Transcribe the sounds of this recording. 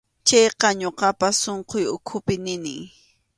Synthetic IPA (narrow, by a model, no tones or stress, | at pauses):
t͡ʃɑjqɑɲoqɑpasoɴqojʊkʰʊpɪnɪnɪ̰ŋ